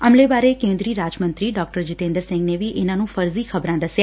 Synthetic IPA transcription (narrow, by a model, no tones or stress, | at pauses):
əmlebaɾekẽnd̪ɾiːɾaːd͡ʒmə̃nt̪ɾiɖɔːk̚ʈəɾd͡ʒɪt̪ẽːnd̪əɾsɪ̃ŋɡneʋiʔenanũfəɾzikʰəbɾãd̪əsja